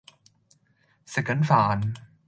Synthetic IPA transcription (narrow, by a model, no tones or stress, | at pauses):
sɛkənfan